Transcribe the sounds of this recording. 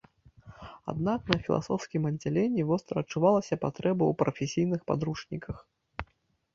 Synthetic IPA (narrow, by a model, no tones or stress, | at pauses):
a̰d̪naknɐfʲilˠa̰sɔwskʲimɐd͡zʲːalʲenʲːivɔst̪ɾɐɐt͡ʂːuvalˠɐsʲɐpat̪ɾɛbɐwpɾɐfʲesʲijnɨxpa̰d̪ɾuʂnʲikʰɐx